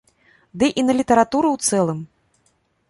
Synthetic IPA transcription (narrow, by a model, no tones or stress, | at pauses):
d̪ɨʔinɐlʲit̪ɐɾat̪uɾɨwt̪sɛlˠɨm